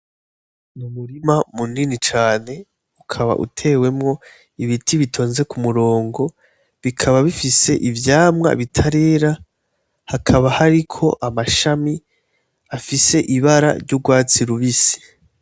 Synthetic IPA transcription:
numuɾimamuninit͡ʃaːne̞ | ukʰaβa̰ʔṵtʰe̞ːwe̞mŋo̞ | iβitʰiβitʰo̞ːnze̞kumuɾo̞ːŋɡo̞ | βikʰaβaβifise̞ʔivjaːmŋa̰βitʰaɾe̞ːɾa | hakʰaβahaɾikʰo̞ʔamaʃami | afise̞ʔiβaɾa̰ɾɟuɡwaːt͡siɾuβisi̥

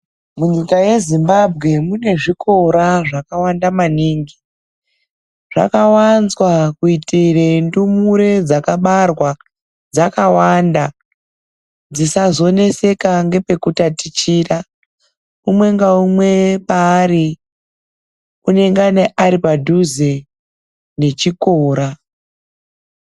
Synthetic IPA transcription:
muɲikaje̞zimbabʱɣe̞mune̞ʐikʰo̞ɾaʐakawandamaniːŋɡi | ʐ̥a̰kawanzwakuitirendumuɾe̞d͡zakaɓarwa | d͡zakawanda | d͡zisazo̞ne̞se̞kaŋɡe̞pe̞kutatit͡ʃiːra | umwe̞ŋɡaumwe̞paːɾi | une̞ŋɡane̞ʔaɾipadʱuze | ne̞t͡ʃikoːɾa

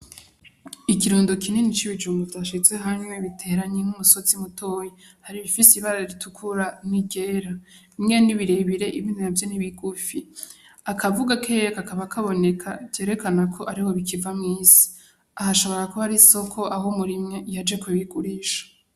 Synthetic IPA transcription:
ikiɾuːndokinenit͡ʃiβid͡ʒuːmɡuvdaːʃize̞ɦaɲwe̞βitʰe̞ɾaɲeŋ̥umuso̞zimutoji | haɾiβifisiβaɾaɾiɾitukʰuɾaniɡe̞ːɾa | mŋeniβiɾe̞βiɾe̞ʔiβnavjoniβiɡufi | akʰavuɡakʰekakaβakʰaβo̞ne̞kʰaɟe̞ːɾe̞kanakʰo̞ʔaɾiho̞βikivamŋiːsi̥ | ahasoβo̞kakohaɾiso̞kʰo̞ʔaɦo̞muɾimŋe̞jad͡ʒe̞kuβiɡuɾiʃḁ

